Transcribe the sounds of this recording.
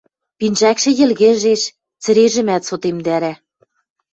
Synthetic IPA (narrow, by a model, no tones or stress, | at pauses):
pinʲʒækʃɘ̆jɘ̆lɣɘ̆ʒeʃ | t͡sɘ̆ɾeʒɘ̆mæt̪sot̪emd̪æɾæ